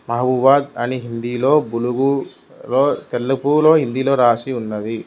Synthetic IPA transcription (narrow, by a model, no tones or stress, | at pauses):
mɐɦɐbubaːd̪ɐniɦind̪iːlo̞ːbuluɡu | loːt̪ɛlːɐpulo̞ːɦind̪iːlo̞ːɾaːsiunːɐd̪i